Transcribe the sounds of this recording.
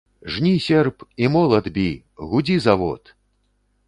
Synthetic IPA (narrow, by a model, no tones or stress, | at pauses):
ʐnʲisʲɛrpimɔlˠɐd̪bʲi | ɣud͡zʲizavɔ̰t̪